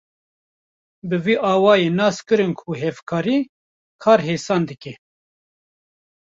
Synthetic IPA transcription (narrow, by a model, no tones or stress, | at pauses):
bɨviːʔɑːwɑːjeːnɑːskɨɾɨnkʰuɦɛvkʰɑːɾiː | kʰɑːɾɦeːsɑːnd̪ɨkɛ